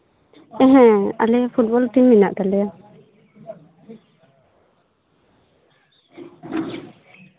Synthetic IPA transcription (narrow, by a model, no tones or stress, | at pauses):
ɛ̃ɦɛ̃a̰lɛpʰubɔlt̪imːinaʔt̪alɛja